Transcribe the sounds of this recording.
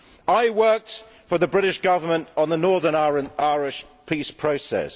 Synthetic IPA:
aɪwɜˑk̚t | fəðəbɹɪɾɪʃɡ̥ʌvəmə̃ntn̩ðənɔːðənaɹənaɪɹɪʃpʰiˑspʰɹ̥əʊsɛ̰s

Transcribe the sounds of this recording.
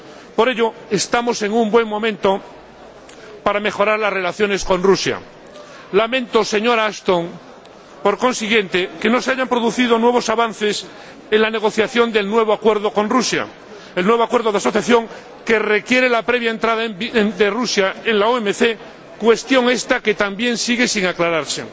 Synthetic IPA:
po̞ɾe̞ʎo̞est̪amo̞se̞ŋumbwe̞ŋmõ̞mẽ̞nt̪o | paɾame̞xo̞ɾaɾlasre̞laθjo̞ne̞skõ̞nrusja̰ | lamẽnt̪o̞se̞ɲoɾaast̪oŋ | po̞ɾko̞nsiɣje̞nt̪e̞ke̞no̞seaʝampɾo̞ðuθið̞onwe̞β̞o̞saβanθe̞s | e̞nlane̞ɣ̞o̞θjaθjo̞nd̪e̞lnwe̞β̞oakwe̞ɾðo̞ko̞nrusja̰ | e̞lnweβo̞akwe̞ɾðo̞ðaso̞θjaθjo̞ŋ | ke̞re̞kje̞ɾelapɾe̞βjae̞nt̪ɾaðaemd̪erusjae̞nlaoemeθe̞ | kwe̞st̪jo̞ŋe̞st̪ake̞t̪ambje̞nsiɣe̞siŋaklaɾaɾsḛ

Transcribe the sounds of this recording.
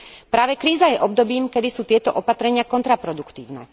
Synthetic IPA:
pɾaːʋɛkɾiːzajɛʔɔb̚d̪ɔbiːmkɛd̪isuːt̪ɪɛt̪ɔʔɔpat̪ɾɛɲɪakɔnt̪ɾapɾɔd̪ukt̪ḭːʊnɛ̰

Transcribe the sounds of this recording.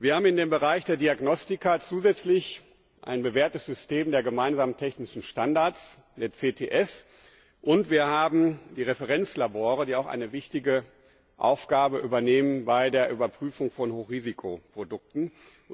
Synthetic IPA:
viːɐhaːbmɪndeːmbəʁaɪçd̥eːɐdiaɡnɔstɪkat͡suːzɛt͡slɪç | ʔa̰ɪnbəveːɐtəsz̥ʏsteːmdeːɐɡəmaɪnzaːməntʰɛçnɪʃn̩ʃtandaɐt͡s | d̥eːɐt͡seːtʰeːʔɛs | ʔʊntv̥iːɐhaːbm̩diːʁefəʁɛnt͡slaboːʁədiːaʊxʔa̰ɪnəvɪçtɪɡə | ʔa̰ʊfɡ̥aːbəʔyːbɐneːmənbaɪdeːɐʔyːbɐpʁ̥yːfʊŋfɔnhoːχʁ̥iːzikʰopʁ̥odʊk̚tn̩

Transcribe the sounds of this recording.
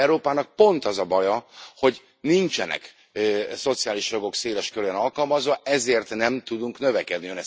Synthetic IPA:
ɾoːpaːnɒk̚po̞nt̪ɒzɒbɒjɒho̞ɟ | nint͡ʃɛnɛ̰k | so̞t̪sijaːliʃjo̞ɡo̞kseːlɛʃkøɾyɛnɒlkɒlmɒzʋɒɛzeːrt̪nɛmt̪ud̪uŋknøvɛkɛd̪niønɛs

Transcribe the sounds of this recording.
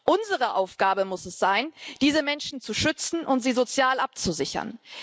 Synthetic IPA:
ʔʊnzəʁəʔaʊfɡ̥aːbəmʊsɛsz̥aɪnd̥iːzəmɛnʃn̩t͡suʃʏt͡sn̩ʔʊntz̥iːzot͡sjaːlʔap̚t͡suzɪçɐ̰n

